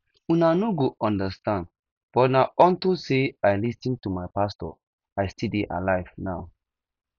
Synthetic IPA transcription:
unanoɡoʔɔ̃ndəstãnd | b̥ɔtnaɔ̃ntoseaɪlisĩntumaɪpastɔ̰ | ajstideʔa̰laɪvnaʊ

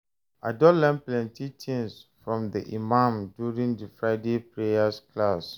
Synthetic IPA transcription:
adɔlɛ̃nplɛ̃ntʰitʰĩnsfɹɔ̃mdiʔimãmdjuɹĩŋdəfɹaɪdepɹejaskʰlas

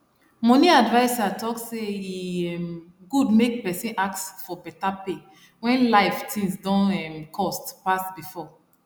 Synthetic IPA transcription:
mɔ̃niadvaɪsatɔkseiɛm | ɡudmek̚pɛsĩnʔak̚sfɔbɛtape | wɛ̃nlaɪftʰĩŋsdɔ̃nɛmkʰɔstpasbifɔ

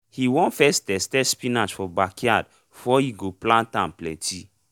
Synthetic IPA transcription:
hiwɔ̃nfɛstɛstɛspinat͡ʃfɔbakiad | fɔhiɡoplãntãmplɛ̃tʰi

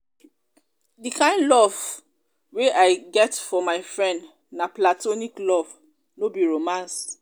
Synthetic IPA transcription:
dikʰãɪ̃ndlɔv | weʔaɪɡɛtfɔmaɪfɹɛ̃nd | naplatoniklɔv | nobiɹomãns

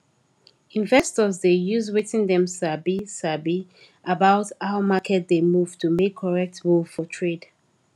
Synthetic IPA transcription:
ĩnvɛstɔzdejuzwetĩŋdɛ̃msabisabi | ʔabaʊtaʊmakʰɛt̚demuv̥tʰumekʰːɔɹɛk̚tmu̥fɔtʰɹed̥

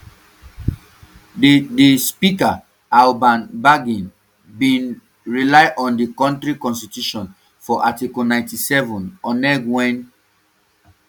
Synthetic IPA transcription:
ddispika | albãnbaɡĩn | bĩn | ɹilaɪʔɔ̃ndikɔ̃ntɹikɔ̃nstituʃɔ̃n | fɔʔatikɔnãɪ̃ntisɛvɔ̃nɔ̃nɛɡwɛ̃n

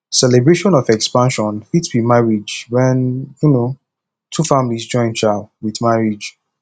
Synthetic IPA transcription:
sɛlɛbɹeʃɔ̃nɔvɛkspãnʃɔ̃nfitswimaɹid͡ʒwɛ̃njuno | tʰufãmlizd͡ʒɔ̃ɪ̃nt͡ʃalwiðmaɹid͡ʒ

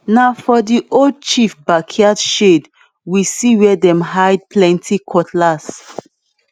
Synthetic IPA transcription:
naʊfɔdiʔold̚t͡ʃifbakʰiadʃed | wisiwɛdɛ̃mɦajd̚plɛ̃ntʰikʰɔtʰlas

